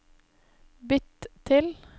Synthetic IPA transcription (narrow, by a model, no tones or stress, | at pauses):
bʏt̪t̪ʰɪl